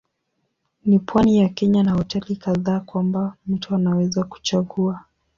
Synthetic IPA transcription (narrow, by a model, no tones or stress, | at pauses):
nipwanijakɛɲanahɔtɛlikaðaːkwambam̩tuanawɛzaku̥t͡ʃaɠua